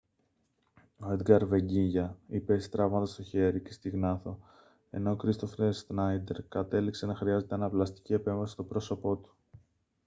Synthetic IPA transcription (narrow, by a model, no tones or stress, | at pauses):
o̞e̞d̪ɡɐɾve̞ɲɟiʝɐipest̪ɾɐvmɐnd̪ɐst̪o̞çe̞ɾicest̪iɣnɐθo̞ | e̞̰no̞kɾist̪o̞fsnɐjd̪e̞ɾkɐt̪e̞likse̞nɐxɾiɐze̞t̪e̞ɐnɐplɐst̪i̥cie̞pe̞ɱvɐsi̥st̪o̞bɾo̞so̞po̞t̪u̥